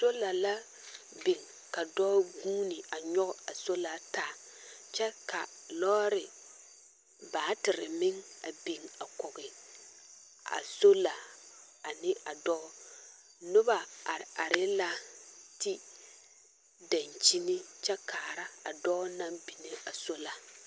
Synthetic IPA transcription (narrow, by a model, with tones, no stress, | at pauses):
so˦la˨la˦ | be˨ŋ | ka˨dɔː˦ɡuː˦nɪ˨a˨ɲɔ˦ɣɔ˦a˨so˦la˨taː˦˨ | t͡ʃɛ˦ka̰˨ | lɔː˦ɾɪ˨ | baː˨˦tɪ˨ɾɪ˨mɪ˦ŋa˨be˨ŋa˨kʊ˨ɡɪ˨ | a̰˨so˦la˨ | a˨nɪ˦a˨dɔː˦ | nʊ˦ba˨a˨ɾa˨ɾɪ˦la˦ti˦ | da˨nt͡ʃi˦nɪ˦t͡ʃɛ˦kaː˨ɾa˦a˨dɔ˦na˦bi˨ne˦a˨so˦la˨